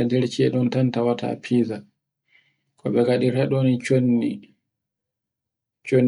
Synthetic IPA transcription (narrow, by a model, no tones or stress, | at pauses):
ɛdeɾt͡ʃiɛɗɔntantawatʰa̰pʰiːza | kɔ̰ɓɛɡaɗiɾɛɗonit͡ʃonːi | t͡ʃon